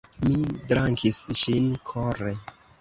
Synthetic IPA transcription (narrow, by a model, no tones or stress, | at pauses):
midɾaŋkʰisʃinkʰoɾe